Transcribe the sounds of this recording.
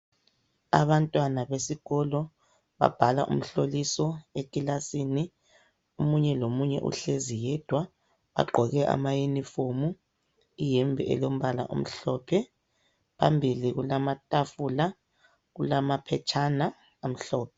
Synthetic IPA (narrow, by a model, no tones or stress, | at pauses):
a̰βantʼwanaβesiɣɔlɔ | βa̰b̥ʱala̰ʔṵm̩ɬolisɔekʼilasiːni | omuɲɛlomuɲɛ̰ʔṵɬezijɛd̥ʱwa | βa̰ɡ͡ǃʱɔɣɛʔa̰majinifomu | ijɛmbʱɛ̰ʔɛ̰lom̩βala̰ʔṵm̩ɬɔːpʰɛ | pʰa̰mbʱiliɣulamatʼafula | ɣulamapʰɛt͡ʃʰana | am̩ɬɔːpʰɛ